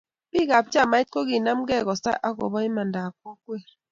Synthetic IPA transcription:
bi˦ɡa˨p̚t͡ʃa˦˨ma˨˦i˦t̚ko˦ɣi˨na˦mɡɛ˦˨ɣɔ˨sa̰˦ʔa˦kɔ̰˨bɔ˦i˦ma˨nda˨k̚o˦kwe˦˨ɾ

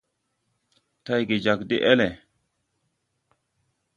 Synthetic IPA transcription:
ta˦jɡi˨d͡ʒa˨kdḭ˦ʔe˦le˨

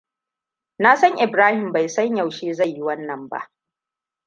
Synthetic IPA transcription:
naː˦sɐ˦ŋʔɪ˨bɾaː˦hɪ˨mba˨jsɐ˦ɲjɐ˨wʃeː˦za˦˨jːi˦wɐ˦nːɐ˨mba̰˦ʔ

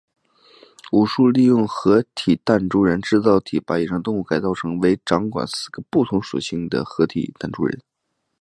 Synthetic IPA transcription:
u˨˩ʂu˥˧li˥˧jʊ˥˩ŋxɤ˧˥t̪ʰi˨˩t̪a˥˩nʈ͡ʂu˥ɻə˧˥nʈ͡ʂɻ̩˥˧t͡sɑ˥˩ʊt̪ʰi˨˩pa˧˥i˨˩ʂɑ˥ŋt̪ʊ˥˧ŋu˥˩ka˨˩ɪt͡sɑ˥˩ʊʈ͡ʂʰɤ˧˥ŋwe˧˥ɪʈ͡ʂɑ˧˥ŋkwa̰˨˩nsɹ̩˥˩ɡ̥ə˧˦pu˥˩t̪ʰʊ˧˥ŋʂṵ˨˩ɕi˥˩ŋd̪ə̰˩xɤ˧˥t̪ʰḭ˨˩t̪a˥˩nʈ͡ʂṵ˥ɻə̰˧˥n

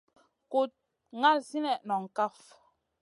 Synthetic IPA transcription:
ko˨t̚ | ŋa˦˨lsi˦nɛ˨nɔ˨ŋ̩˨ka˦f

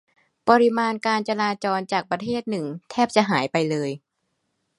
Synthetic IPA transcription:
pa˧ɾi˧˥maː˧nkaː˧nt͡ɕa˧laː˧t͡ɕɔː˧nt͡ɕaː˨˩k̚pɾa˧t̪ʰeː˥˩t̪̚nɯ˨˩ŋt̪ʰɛː˥˩p̚t͡ɕa˨˩ɦaː˩˦jpa˧jlɤː˧j

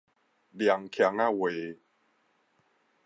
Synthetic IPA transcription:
bi˨˧a˧ŋkʰa˧ŋa˦˥˨we˨˦

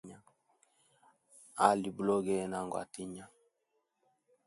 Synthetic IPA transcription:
ɲa˦ | a˨li˨blɔ˦ɡɛ˦na˨ŋɡwa̰˨ti˦ɲa˦

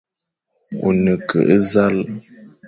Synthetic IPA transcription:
ṵ˨nə˨kʰə̰˨ʔə˦za˦l

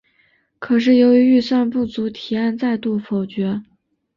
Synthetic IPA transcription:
kʰɤ˨˩ʂ̬ɻ̩˥˩jo˧˥ʊy˧˥y˥˧swa˥˧npu˥˩t͡su˧˥t̪ʰi˨˩a˥˧nt͡sa˥˧ɪt̪u˥˩fo˨˩ʊt͡ɕɥɛ˧˥

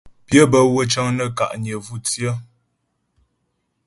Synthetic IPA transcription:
pjə˦bə˦˨wə˦t͡ʃə˦ŋnə˦˨ka̰˨ʔɲə˨vu˦˨tjə˦

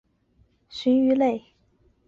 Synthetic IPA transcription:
ɕy˧˥ny˧˥le˥˩ɪ

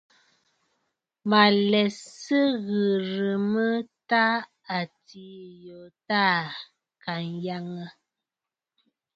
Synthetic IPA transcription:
ma˨lɛ˨sə˦ɣə˨ɾə˨mə˦ta˦ | a˨ti˨˦jo˨ta˦˨ | ka˨nja˦ŋə˦

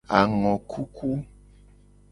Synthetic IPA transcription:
a˨ŋɔ̃˨kʰu˦kʰu˦

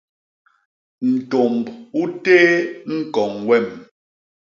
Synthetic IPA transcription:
n̩˨to˨mbu˦teː˦ŋ̩˦kɔ˨ŋwɛ˦˨m

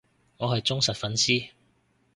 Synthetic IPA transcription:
ŋɔː˨˧ɦɐ˨jt͡sʊ˥ŋsɐ˨t̚fɐ˨˥nsiː˥

